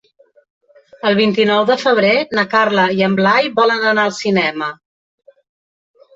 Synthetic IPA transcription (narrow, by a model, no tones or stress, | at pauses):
əlˠβ̞int̪inɔwðəfəβ̞ɾenəkarləiəmblajβɔlənənaəlˠsinɛmə